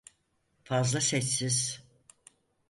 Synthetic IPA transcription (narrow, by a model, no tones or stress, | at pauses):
fazlˠasɛt͡ʃsiz̥